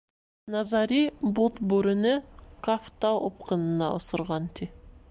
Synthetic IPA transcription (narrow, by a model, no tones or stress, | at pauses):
nɑzɑɾibot̪bɵɾɪnɪkʰaft̪aʔop̚qʰənənɑ̰ʔʊsəɾʁɑnt̪ʲʰe